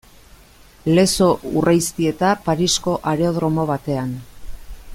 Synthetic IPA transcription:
le̞so̞urajst̪ie̞t̪apaɾisko̞ʔaɾeoðɾo̞mo̞βat̪e̞an

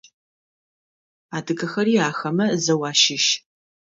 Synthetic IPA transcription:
aːdɨɡɐxɐriːaːxɐmɐzɐwaːʃɪʃ

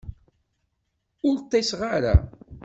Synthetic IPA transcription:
ʊɾt̪ˤːesʁaɾa̰

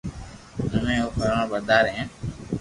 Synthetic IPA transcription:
nəmẽːoːpʰəɾãːbəɾd̪aːɾɦẽː

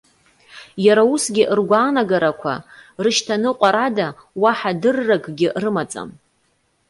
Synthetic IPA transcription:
jaɾausɡʲɪʔrɡʷaːnaɡaɾakʷʰa̰rɨʃtʰanɨqʷʼaɾadawaħadɨrːaɡʼɡʲɪʔrɨmat͡sʼa̰m

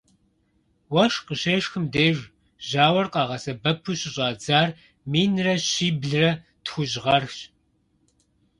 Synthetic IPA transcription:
wɐʃqəɕeːʂxɨmdeːʒ | ʑaːwɐrqɑːʁɐsɐbɐpʰuɕɪɕʼɑːd͡zaːr | miːnrɐɕiːbɮɨrɐ | txʷʊʑʁɐrxɕ

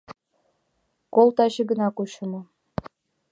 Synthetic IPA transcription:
kolˠt̪ɑɕĭɡɤ̆nɑkuɕɤ̆mɤ̆

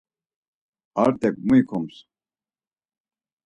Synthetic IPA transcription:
aɾt̪ʼɛk̚muikʰɔms

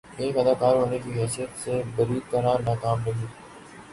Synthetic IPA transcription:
eːkɦəd̪aːkaːɾɦoːnekiːɦɛːsijət̪seːbəɾiːd̪t̪əɾãːnaːkaːmɾə̃ɦiː

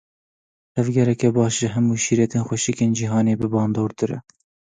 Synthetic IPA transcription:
t̪ʰɛvɡɛɾɛkɛbɑːʃʒɨɦɛmuːʃiːɾɛt̪eːnxʷɛʃikeːnd͡ʒiɦɑːneːbɨbɑːnd̪oːɾt̪ɨɾɛ̰

